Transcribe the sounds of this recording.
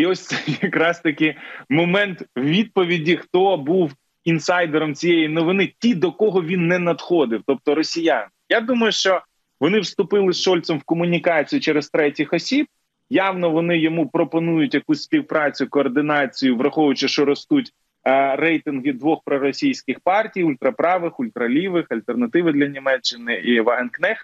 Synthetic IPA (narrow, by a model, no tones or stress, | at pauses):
iɔsʲt̪sɛjɐkɾɑst̪ɐkʲɪmɔmɛnt̪wʋʲid̪̚pɔʋʲidʲixt̪ɔbuw | insɑjd̪eɾɔmt͡sʲijejinɔʋɪnɪtʲid̪ɔkɔɦɔʋʲinːɛnɐd̪xɔd̪ɪwt̪ɔp̚t̪ɔɾɔsʲijan | jad̪umɐjʊʃt͡ʃɔ | ʋɔnɪwst̪ʊpɪlˠɪsʃɔlʲt̪sɔmwkɔmʊnʲikɑt͡sʲijʊt͡ʃɛɾezt̪ɾɛtʲɪxɔsʲib̥̚ | jɑwnɔʋɔnɪjɔmupɾɔpɔnujʊtʲjɐkusʲsʲpʲiwpɾɑt͡sʲʊkɔːrd̪ɪnɑt͡sʲijʊʋrɐxɔʊt͡ʃɪʃt͡ʃɔɾɔst̪utʲ | rɛjt̪ɪnɦɪd̪ʋɔxpɾɔɾɔsʲijsʲkɪxpɑrtʲijʊlʲt̪ɾɐpɾɑʋɪxʊlʲt̪ɾɐlʲiʋɪxɐlʲt̪ernɐt̪ɪʋɪd̪lʲɐnʲimɛt͡ʃːɪnɪiʋɑɦɛnknɛx